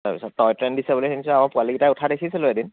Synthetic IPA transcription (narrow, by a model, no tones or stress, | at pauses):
apisɔttɔjtɹɛndisɛbuliɛnisɛamapualikitaʊtʰadekʰisɛlʊedin